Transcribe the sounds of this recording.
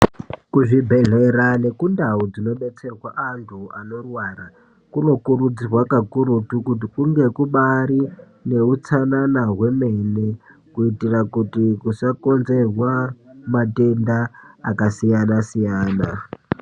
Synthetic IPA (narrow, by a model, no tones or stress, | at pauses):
kuʐibʱe̞ɮeɾane̞kundaud͡zino̞ɓe̞t͡serwaʔantʰuano̞rwara | kuno̞kurud͡zirwakakuɾutukut̬ikuŋɡe̞kuɓaɾi | ne̞ut͡sananaɦwe̞mene | kuitirakutikusako̞nze̞rwamate̞ndaːkasijanasijaːna